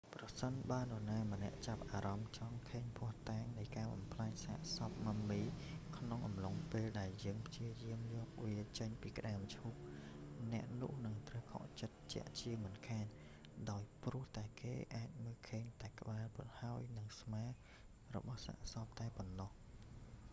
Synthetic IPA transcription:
prɑsənɓaːənɔənaːmənɛ̆əʔt͡ɕap̚ʔaːɾɑmt͡ɕɑŋkʰeːɲpʰʊ̆əht̪aːŋnɨjkaːɓɑ̰mpʰlaːɲsa̰ʔsɑp̚mamːiːkʰnoŋʔɑmloŋpeːlɗaɛljəːŋpʰt͡ɕiəjiəmjɔːk̚ʋiət͡ɕəɲpiːkə̆ɗaəmt͡ɕʰup̚nɛ̆əʔnʊəhnɨŋt̪rəwkʰɑ̰ʔt͡ɕət̪̚t͡ɕɛ̰̆əʔt͡ɕiəmɨnkʰaːn | ɗaɔjprʊ̆əht̪aɛkḛːʔaːc̚məːlkʰəːɲt̪aɛkə̆ɓaːlpunhaəjnɨŋsmaː | rɔ̰ɓɑhsa̰ʔsɑp̚t̪aɛponːɑh

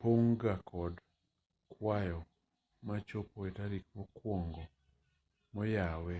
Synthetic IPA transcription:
poŋɡakʰɔd | kwajɔ | mat͡ʃopoetaɾik̚mɔkwɔŋɡɔ | mɔjawɛ

